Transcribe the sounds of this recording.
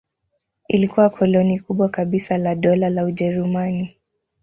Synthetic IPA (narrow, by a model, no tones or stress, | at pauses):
ilikuwakʰɔlɔnikuɓwakaɓisalaɗɔlalauʄɛɾumani